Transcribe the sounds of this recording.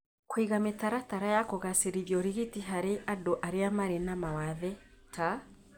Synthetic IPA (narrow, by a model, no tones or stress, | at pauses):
kwiɣametaɾataɾajakoɣaseɾiðjɔɾiɣitiɦaɾeʔadoʔaɾeamaɾenamawaðɛta